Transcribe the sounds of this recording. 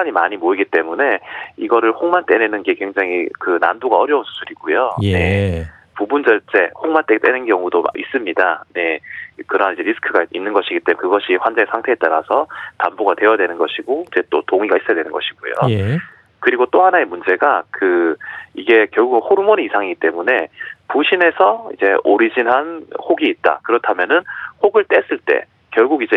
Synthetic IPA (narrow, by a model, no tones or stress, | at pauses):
aɲimaɲimoiɡit͈e̞mune̞iɡʌɾɯɭhoŋmant͈e̞nenɯnɡe̞kweŋd͡ʑaŋikɯnandoɡaʌɾjʌunsʰu̥sʰuɾiɡ̥ojone̞ | pubund͡ʑʌɭt͡ɕ͈e̞hoŋmant͈et͈e̞nɯnkjʌŋudoa̰ʔis͈ɯmɲidane̞kɯɾʌnid͡ʑeɾisʰɯ̥kʰɯɡainːɯnɡʌɕʰiɡit͈emnkɯɡʌɕʰiɸwand͡ʑaŋesʰaŋtʰe̞et͈̚aɾasʰʌtambuɡadwe̞jʌdwe̞nɯnɡʌɕʰiɡoid͡ʑe̞t͈o̰toŋiɡais͈ʌjadwenɯnɡʌɕʰi̥ɡ̥ojo̰ | kɯɾiɡot͈ohanae̞mund͡ʑe̞ɡakɯiɡe̞kjʌɭɡuɡɯnhoɾumoniisʰaŋiɡit͈e̞mune̞puɕʰine̞sʰʌid͡ʑe̞oɾid͡ʑinɦanhoɡiːt̚t͈a̰kɯɾʌtʰamjʌnɯnhoɡɯɭt͈e̞s͈ɯɭt͈e̞̰ | kjʌɭɡuɡid͡ʑe